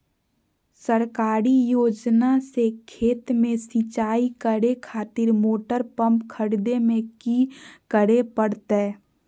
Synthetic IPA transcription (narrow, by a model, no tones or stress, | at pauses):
səɾkaːɾijoːd͡ʒnasekʰeːt̪mẽsĩt͡ʃaːikəɽekʰaːt̪ɪɾmoːʈəɾpə̃mpkʰəɽd̪emẽkikəɽepəɽt̪eː